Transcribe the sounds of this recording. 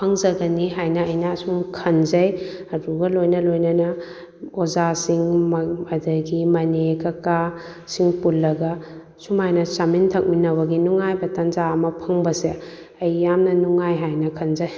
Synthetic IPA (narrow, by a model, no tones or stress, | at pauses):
pʰɐŋzɐɡɐniɦajnɐɐjnɐːsuŋkʰɐnzɐjɐduɡɐlojnɐlojnɐnɐ | ozasiŋmmɐdɐɡimɐnekɐkasiŋpulːɐɡɐ | sumajnɐsamintʰɐk̚minɐbɐɡinuŋajbɐtɐnzaɐmɐpʰɐŋbɐse | ɐjːamnɐnuŋajɦajnɐkʰɐnzɐj